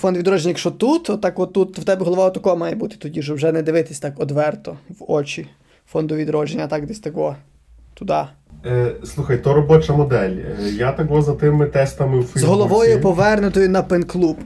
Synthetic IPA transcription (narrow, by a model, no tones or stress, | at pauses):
fɔnd̪ʋʲid̪ɾɔʒenʲɐjɐkʃt͡ʃɔt̪ut̪ɔt̪ːɑkɔt̪ːut̪ːwt̪ɛbʲɛɦɔlˠɔʋaɔt̪ɐkɔɔmɑjɛbut̪ɪ̥t̪ɔdʲiʃɔwʒɛnɛd̪ɪʋɪt̪ɪ̥sʲt̪ɑkɔd̪ʋɛrt̪ɔwɔt͡ʃi | fɔnd̪ʊʋʲid̪ɾɔʒenʲːɐt̪ɑkd̪ɛsʲt̪ɐkɔ | t̪ʊd̪ɑ | slˠuxɐjt̪ɔɾɔbɔt͡ʃɐmɔd̪ɛlʲjat̪ɐkʋɔzɐt̪ɪmɪt̪ɛst̪ɐmɪwfzɦɔlˠɔʋɔjʊpɔʋɛrnʊt̪ɔjʊnɐpenklˠup